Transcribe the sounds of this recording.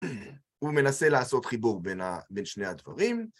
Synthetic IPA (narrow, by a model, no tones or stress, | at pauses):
ume̞nase̞laːso̞t̪χibuʁbena̰be̞nʃne̞had̪va̰ʁim